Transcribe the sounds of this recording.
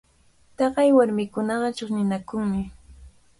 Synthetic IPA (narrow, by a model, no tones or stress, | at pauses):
t̪ɑɢɑjwaɾmɪkʊnɑɢɑt͡ʃoχnɪnakʊŋmɪ